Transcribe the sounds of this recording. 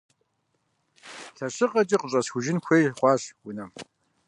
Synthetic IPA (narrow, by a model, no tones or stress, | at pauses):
ɬɐɕɪqʼɐt͡ʃʼiːqəɕʼɐsxʷʊʒɪnxʷeːjχʷɑːɕwʊnɐm